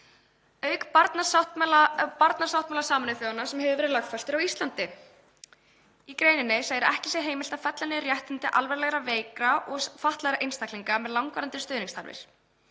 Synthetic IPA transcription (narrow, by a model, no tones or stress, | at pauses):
œɥkpaɾt̪nasat̪mlapaɾt̪nasawht̪mɛlasaːmanɪθjowanːasɛmhɛvɪʏvɛːɾɪðlœxt̪fast̪ʏɾawist̪lant̪ɪ | ikɾeːjnɪnːɪsaːjðɪɾɪʔɛhcɪsjɛɦeːjmɪlt̪afɛt̪lanɪrjɛht̪ɪnt̪ɪʔalvɛɾlɛɣɾaveːjkɾaʔɔɣfaht̪laɛɣɾaʔejnst̪akliŋkamɛðlawŋkvaːɾant̪ɪ̥st̪œːðniŋst̪a̰ɾvɪ̰ɾ̥